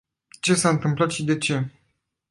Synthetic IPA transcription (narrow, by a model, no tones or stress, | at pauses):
t͡ʃe̞saɨnt̪ɨmplat̪ʃid̪e̞t͡ʃe̞